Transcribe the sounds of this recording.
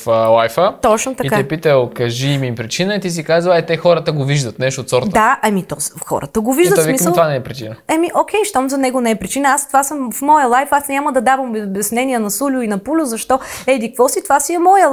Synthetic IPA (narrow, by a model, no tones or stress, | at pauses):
flˠajfət̪ɔt͡ʃnot̪ɐkitaɛpit̪əlˠkɐʒimiimpɾit͡ʃinəɛt̪is̬ikazəɛt̪ɛxɔɾət̪əɡoviʒd̪ət̪̚nɛʃt̪ot̪sɔɾtd̪d̪aɐmit̪ɔxɔ̰ɾʔə̰t̪əɡoviʒd̪t̪svimislˠt̪ovanɛɛpɾit͡ʃinəɐmiʔok̟ʰʲɛjʃt̪ɔmzɐnɛɡonɛɛpɾit͡ʃinəast̪ovasəmfmɔjəlˠajfasnʲaməd̪ɐd̪avəmbbʲɐsnɛniɛnɐsulʲʊinɐpulʲʊzɐʃt̪ɔɛd̪ikkvɔsit̪ovasiɛmɔjə